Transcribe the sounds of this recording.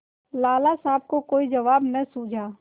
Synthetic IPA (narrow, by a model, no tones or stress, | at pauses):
laːlasaːb̚kokoːid͡ʒɐʋaːbnɐsuːd͡ʒʱaː